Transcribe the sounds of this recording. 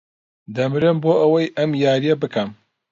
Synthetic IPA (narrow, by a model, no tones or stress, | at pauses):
d̪ɐmɾemboːʔɐwɐjʔɐmjaːɾijɐbɨkʰɐm